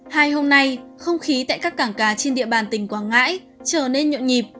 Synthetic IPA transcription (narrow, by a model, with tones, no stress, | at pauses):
haː˧jɦo˧mna˧jxə˧wŋ͡mxi˨˦t̪a̰ː˧˨jkaː˦˥kːaː˧˩ŋkaː˨˩t͡ɕe˧nɗḭ˧˨əɓaː˨˩nt̪ï˨˩ŋ̟kwaː˧˩nŋa̰ː˧˥j | t͡ɕəː˧˩ne˧nɲo̰˧˨ɲi˨˩p̚